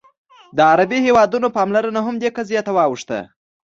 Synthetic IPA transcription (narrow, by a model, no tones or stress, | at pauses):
d̪əaɾabihewɑd̪unopɑmlaɾənaɦamd̪ekazijat̪awɑwuʂt̪a̰